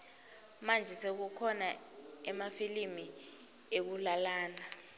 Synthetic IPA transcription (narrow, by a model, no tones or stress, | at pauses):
mand͡ʒʱɛsek̬ukʰɔna | ɛmafilimi | ek̬ulalaːna